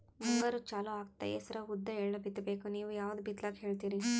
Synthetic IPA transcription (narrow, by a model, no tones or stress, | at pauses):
muŋɡɐɾut͡ʃaːluaːɡ̚t̪ɐ̰jesɐɾɐud̪ːɐeːɭlɐbit̪ːɐbeːkuniːʋujaːʋɐd̪ubit̪lakɦeːɭt̪iːɾi